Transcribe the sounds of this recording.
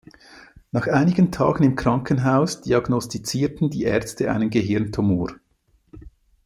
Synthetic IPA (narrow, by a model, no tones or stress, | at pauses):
nɑːχxʔaɪnɪɡəntʰɑ̰ːɡ̥ən̩ɪmkʁ̥ɑŋkənɦaʊsd̥iɑɡnɔstit͡siːtn̩diːʔɛ̰ɐt͡stəʔa̰ɪnənɡəɦɪɐntʰumuːɾ